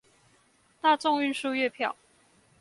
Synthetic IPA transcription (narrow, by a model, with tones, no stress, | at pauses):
t̪a˥˧t͡sʊ˥˧ŋy˥˧nʂu˥˧ɥɛ˥˧˩pʰjɑ˥˩ʊ